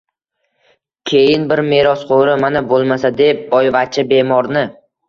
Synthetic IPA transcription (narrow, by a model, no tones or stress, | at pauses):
kʲʰe̞jɪnbɪɾme̞ɾɒsqʰoɾɪmanabolˠmasad̪e̞p̚bɒjvat͡ʃʰabe̞mɒɾnɪ